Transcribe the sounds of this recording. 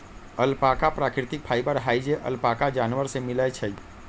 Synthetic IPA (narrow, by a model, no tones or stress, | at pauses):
əlpakapɾakɾit̪ik̚pʰajbəɾɦajd͡ʒeʔə̰lpakad͡ʒanʋəɾsemiləjt͡ʃʰə